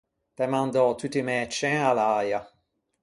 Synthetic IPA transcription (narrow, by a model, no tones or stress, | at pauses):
tɛmãnd̪ɔt̪ut̪ːimɛt͡ʃːɛ̃alaːja